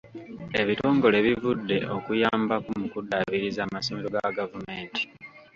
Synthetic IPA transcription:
e̞βito̞ːŋɡo̞le̞βivudːe̞ʔo̞kujaːmbakumukudːaβiɾizaːmaso̞me̞ɾo̞ɡaɡavume̞ːnti̥

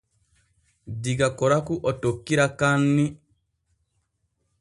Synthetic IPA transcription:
diɡakɔɾakuʔɔtokːiɾakanːi

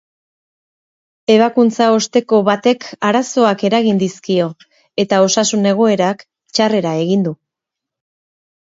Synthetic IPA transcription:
e̞β̞akunt͡sao̞st̪e̞ko̞βat̪e̞kaɾaso̞ake̞ɾaɣind̪iskio̞ | e̞t̪ao̞sasune̞ɣ̞o̞e̞ɾak | t͡ʃare̞ɾae̞ɣind̪u

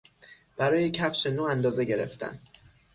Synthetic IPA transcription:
b̥æɾɒːjecʰæfʃenoːænd̪ɒːze̞ɟe̞ɾḛft̪ʰæ̰n

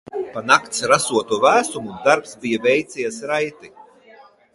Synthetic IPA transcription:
panakt̪sɾasuɔt̪uvæːsumud̪aɾpsbijavʲɛjt̪sijasɾajt̪i

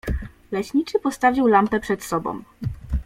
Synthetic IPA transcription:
lɛɕɲit͡ʂɘpɔst̪avʲiwlampɛpʂɛt̪sɔbɔ̰̃w̃

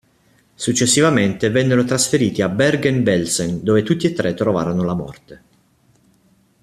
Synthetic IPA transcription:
sut͡ʃːesːivament̪evɛnːeɾot̪ɾasfeɾiːt̪iabɛrɡɛnbɛlsɛnd̪oːvet̪ut̪ːiet̪ːɾet̪ːɾova̰ːɾonolamɔ̰rt̪e

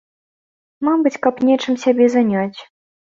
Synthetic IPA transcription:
mabɨt͡sʲkapnʲet͡ʂɨmsʲabʲɛzanʲat͡sʲ

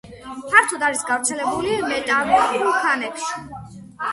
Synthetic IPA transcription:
pʰaɾt̪ʰɔd̪aɾisɡavɾt̪sʰɛlɛbulimɛt̪ʼavɛkʰanɛkʰʃi̥

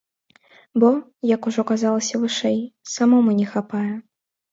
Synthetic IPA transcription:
bɔjɐkuʐɔkazalˠɐsʲɐvɨʂɛjsamɔmɨnʲɛxapajɛ

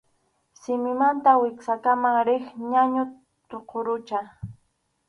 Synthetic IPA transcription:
sɪmɪmant̪awɪksakamaŋɾɪχɲaɲʊ | t̪oqʰoɾʊt͡ʃa

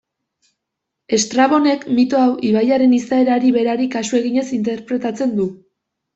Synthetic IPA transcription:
e̞st̪ɾaβo̞ne̞kmit̪o̞awʔiβajaɾe̞nisaeɾaɾiβe̞ɾaɾikasue̞ɣ̞iɲe̞sint̪e̞ɾpɾe̞t̪at͡se̞nd̪u

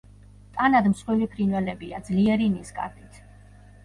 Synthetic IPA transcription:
t̪ʼanad̪msχwilipʰɾinvɛlɛbiad̪zliɛɾinisɡʼa̰ɾd̪it̪ʰ

